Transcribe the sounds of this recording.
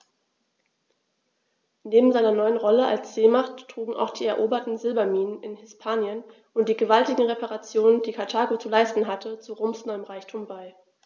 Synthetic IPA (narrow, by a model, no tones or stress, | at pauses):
neːbm̩zaɪnɐnɔʏənʁɔləʔa̰lsz̥eːmaχtːʁ̥uːɡŋ̩a̰ʊxd̥iːɛɐʔoːbɐtn̩zɪlbɐmiːnənɪnhɪspʰaːnjən | ʔʊnt̚d̥iːɡəvaltɪɡŋ̩ʁepaʁat͡sjoːnənd̥iːkʰaɐtʰaːɡot͡sulaɪstn̩ɦatʰət͡suʁoːmsnɔʏəmʁaɪçtʰuːmbaɪ